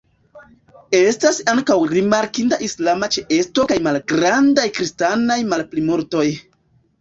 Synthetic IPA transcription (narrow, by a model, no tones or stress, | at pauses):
e̞stasaŋkawɾimaɾkintaʔislamat͡ʃeʔe̞sto̞kajmalɡɾandajkɾistanajmalplimoɾto̞j